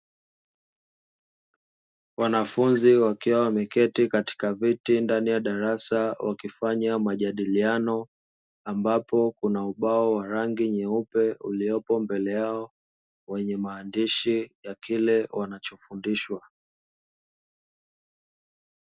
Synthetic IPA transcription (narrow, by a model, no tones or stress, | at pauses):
wanafunziwakiwawamɛkɛtikati̥kavitindanijaɗaɾasawʔa̰kifaɲamaʄaɗilianɔ | ambapɔkunauɓaɔwaɾaŋɡiɲɛupɛuliɔpɔmbɛlɛjaɔ | wɛɲɛmaːndiʃijakilɛwanat͡ʃɔfundiʃwa